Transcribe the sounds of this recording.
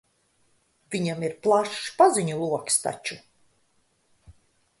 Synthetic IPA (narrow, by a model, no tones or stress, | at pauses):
vʲiɲamiɾplˠaʃpaziɲulˠuɔkst̪a̰t͡ʃu